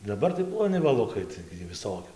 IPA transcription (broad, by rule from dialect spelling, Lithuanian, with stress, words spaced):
dɐˈbɐr tɐɪ plˠoːˈnʲɪ ʋɐˈlˠʊkɐɪ ˈtɐɪɡʲɪ juː ʋʲɪˈsoːkʲʊ